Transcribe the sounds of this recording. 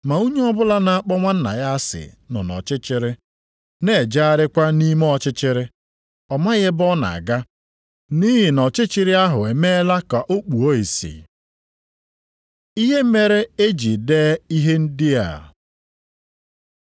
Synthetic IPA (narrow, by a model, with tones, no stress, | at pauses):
ma˨u˦ɲe˦ɔ˦bʊ˦la˦na˨a˦k͡pɔ˦ŋʷa˦n̩˦na̰˨ja˦a˦sɪ̰˨nɔ̰˨nɔ̰˨t͡ʃɪ˦t͡ʃɪ˦ɾɪ˦ | ne˨d͡ʒa˦a˦ɾɪ˦kʷa˦ni˦m˦ɔ˦t͡ʃɪ˦t͡ʃɪ˦ɾɪ˦ | ɔ˨ma˦ɣɪ˦bɔ˦na̰˨a̰˨ɡa˦ | ni˦ɦɪ˨nɔ˨t͡ʃɪ˦t͡ʃɪ˦ɾɪ˦a˦ɦʊ˨e˨me˦la˦ka˨ʔo˦k͡pu˨o˦i˨sḭ˨ | i˦ɦe˦me˦ɾe˦e˦d͡ʒi˨deː˦i˦ɦe˦n̩˦dɪ˦a̰˨